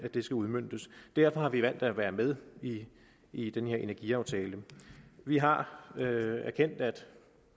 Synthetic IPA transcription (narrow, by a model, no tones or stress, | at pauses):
æd̥e̝sɡ̥æuðˠmøn̰d̥əsd̥æɐ̰fɒ̽hɑ̈ʋiʋæn̰d̥æʋæːɐmeð̞ˠi | id̥enəhe̝ɐʔe̝næɐɡ̥iɑ̈ʊt͡sʰɛːləʋiɦɑ̈øæɐkʰen̰d̥æd̥